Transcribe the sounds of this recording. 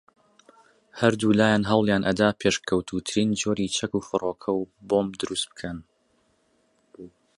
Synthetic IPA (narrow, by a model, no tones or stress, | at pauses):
hɐɾd̪ulaːjaːnɦɐwlˠjaːnʔɐd̪aːpʰeʃkʰəwt̪ʰut̪ʰɨɾind͡ʒoɾiːt͡ʃʰɐkufɨroːkʰɐwbomd̪ɨɾust̪̚bɨ̥kʰən